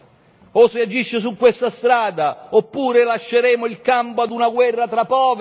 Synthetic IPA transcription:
osead͡ʒiʃːɪsukːwest̪ast̪ɾaːd̪aopːuːɾelaʃːeɾɛːmʊilkampoad̪unaɡwɛrːat̪ɾapːɔːv

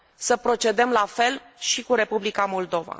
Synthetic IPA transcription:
səpɾo̞t͡ʃe̞d̪əmlafe̞l | ʃikuɾe̞publikamo̞ld̪o̞va̰

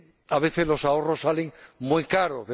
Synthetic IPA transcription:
aβe̞θezlo̞sao̞rosːaleŋmujkaɾozβe

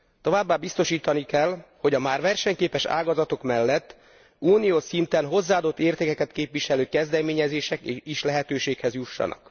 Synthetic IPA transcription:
t̪o̞vaːbːaːbist̪o̞ʃiːt̪ɒnikɛlho̞ɟɒmaːrʋɛrʃɛɲkeːpɛʃa̰ːɡɒzɒt̪o̞kmɛlːɛt̪ː | uːnijoːsint̪ɛnɦo̞zːaːd̪o̞t̪ːeːrt̪eːkɛkɛt̪keːpʋiʃɛløːkɛzd̪ɛmeːɲɛzeːʃɛkeiʃlɛɦɛt̪øːʃeːkhɛzjuʃːɒ̰nɒ̰k

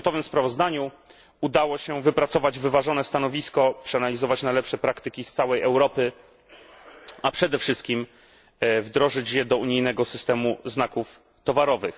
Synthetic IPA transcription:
t̪ɔvɘmspɾavɔzd̪aɲu | ud̪awɔɕɛvɘpɾat̪sɔvad͡ʑvɘvaʐɔnɛst̪anɔvʲiskɔpʂɛanalʲizɔvat͡ɕnajlɛpʂɛpɾakt̪ɘkʲist̪sawɛjɛwɾɔpɘ | apʂɛd̪ɛfʂɘst̪̚kʲim | vd̪ɾɔʐɘt͡ɕjɛd̪ɔuɲijnɛɡɔsɘ̥st̪ɛmuznakuf | t̪ɔvaɾɔvɘx

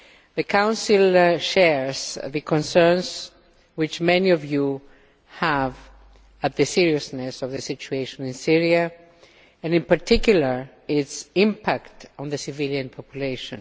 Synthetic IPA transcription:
ðɨkʰãw̃nsilˠʃɛɹz̥ðɨkʰɔ̃nsɛ̃˞ns | wɪt͡ʃmɛniɔvju | hæv | at̪̚ðɨsiɹiɨsnɛsɔvðɨsit͡ʃueɪʃɔ̃nɪ̃nsiɹia | ɨ̃nɪ̃npaɹtʰikjulə˞ | ɪtsɪ̃mpʰaktɔ̃nðɨsɨviljãnpʰɔpʰjuleɪʃɔ̃n

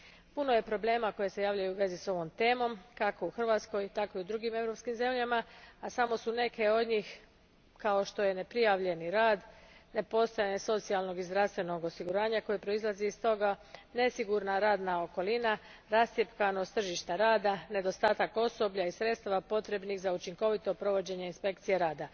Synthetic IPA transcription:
puno̞je̞pɾo̞ble̞ːmako̞jese̞jaːʋlʎajuuʋe̞ziso̞ʋo̞mt̪e̞ːmo̞mkako̞uxrʋaːt̪sko̞jt̪ako̞iud̪ɾuɡime̞vɾo̞pskimze̞mʎamaasamo̞sune̞ke̞o̞d̪ɲix | kao̞ʃt̪o̞je̞ne̞pɾijaʋʎe̞niɾaːd̪ne̞po̞st̪o̞jaɲeso̞t̪sijalˠno̞ɡizd̪ɾafst̪ʋe̞no̞ɡo̞siɡuɾaːɲako̞jepɾo̞izlˠaziːst̪o̞ɡane̞siɡuɾnaɾaːd̪nao̞ko̞lina | ɾast̪jepkano̞st̪r̩ʒiʃt̪aɾaːd̪ane̞d̪o̞st̪aːt̪ako̞so̞bʎaisɾe̞t̪st̪aʋapo̞t̪ɾe̞bniɣzaut͡ʃiŋko̞ʋit̪o̞pɾo̞ʋo̞d͡ʑe̞ɲe̞inspe̞k̚t̪sijeɾaːd̪a

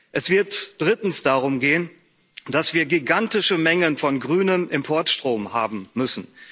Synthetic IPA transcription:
ʔɛsv̥ɪɐtd̥ʁɪtn̩sd̥aʁʊmɡeːən | d̥asv̥iːɐɡiɡantɪʃəmɛŋənfɔnɡʁyːnəmʔɪmpʰɔɐtʃtʁ̥oːmha̰ːbm̩ːʏsn̩

